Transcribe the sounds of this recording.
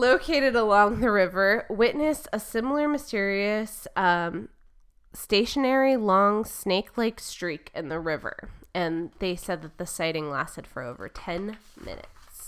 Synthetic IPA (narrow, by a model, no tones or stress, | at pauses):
loʊkʰeɪɾɨɾəlɔ̃ŋðɨɹɪvə˞wɪʔⁿnɨsəsɪ̃ml̩ˠə˞mɨstɪɹiɨsʌ̃ | teɪʃɨnɛɹilɔ̃ŋsneɪkʰlaɪkstɹ̥ikʰɨ̃nðɨɹɪvə̰˞ɨ̃nðeɪsɛd̪̚ðɨt̪̚ðɨsaɪɾɪ̃ŋlæ̰stɨd̥fə̰˞o̰ʊvə̰˞tʰɛ̃nmɪ̰̃nɨ̰ts